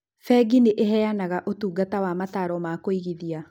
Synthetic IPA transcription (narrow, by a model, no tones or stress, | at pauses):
fɛɡineʔeɦɛjanaɣaʔotuːɡatawamataɾɔmakoiɣiðia